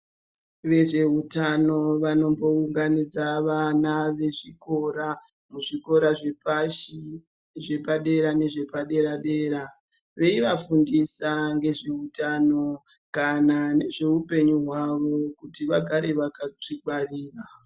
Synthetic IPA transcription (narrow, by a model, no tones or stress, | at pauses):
ʋe̞ʐe̞ɦutano̞ʋano̞mbo̞uŋɡanid͡zaʋanaʋe̞ʐiko̞ɾa | muʐiko̞ɾaʐeʃi | ʐe̞paɗe̞ɾane̞ʐe̞paɗe̞ɾaɗe̞ːɾa | ʋe̞iʋafundisaŋɡe̞ʐe̞ɦutaːno̞ | kanane̞ʐe̞upe̞ɲuɦwaʋo̞kutiʋaɡʱaɾe̞ʋakat͡ʂikwariːra